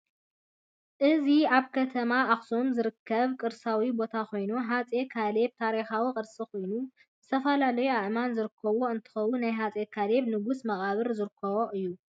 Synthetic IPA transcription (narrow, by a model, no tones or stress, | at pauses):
ʔɨziʔaβkʰɐt̪ʰɐmaʔaxsomzɨɾɨkʰːɐβkʼɨɾsawibo̞t̪ʰakʰo̞jnuɦat͡sʼekʰale̞β̚t̪ʰaɾixawikʼɨɾsʼikʰo̞jnu | zɨt̪ʰɐfɐlalɐjuaʔmanzɨɾɨkʰːɐβoɨnt̪ʰɨ̥xɐwunajɦat͡sʼekʰale̞βnɨɡusmɐχʼaβɨɾzɨɾɨkʰːɐβoʔɨjːu